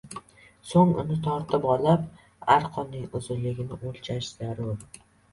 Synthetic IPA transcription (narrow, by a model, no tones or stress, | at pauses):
soŋʊ̰nɪt̪ʰɒɾt̪ʰɪpɒlap | aɾqʰɒnːɪŋʊzɪlːɪɡʲɪnɪʔolʲˠt͡ʃʰaʃz̥aɾʊɾ